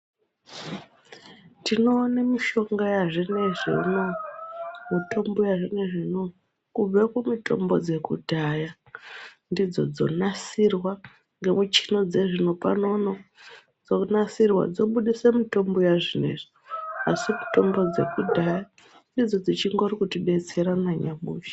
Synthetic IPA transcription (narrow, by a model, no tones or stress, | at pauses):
tino̞ːnemiʃo̞ŋɡajaʐineʐino | mito̞mbujaʐineʐino | kub͡vekumitʰʼo̞̰mbo̞̰d͡ze̞kudʱaja | ndid͡zo̞̰d͡zo̞̰nasirwa | ŋɡe̞mut͡ʃino̞d͡ze̞ʐino̞pa̰no̞no | d͡zonasirwa̰d͡zo̞ɓuɗisemito̞mbujaʐine̞̰ʐ̥i | a̰simitʰo̞mbo̞d͡ze̞̰kudʱaja | ndid͡zo̞d͡zit͡ʃiŋɡo̞rikutiɓe̞t͡se̞ɾanaɲamuːʃi̥